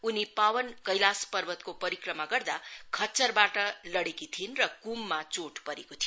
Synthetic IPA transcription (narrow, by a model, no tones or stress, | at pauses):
unipawʌnkʌjlaspʌrbʌt̪kopʌɾikrʌmaɡʌrd̪akʰʌt͡sʌrbaʈʌlʌɽekit̪ʰinrʌkumːat͡soʈpʌɾekot̪ʰijo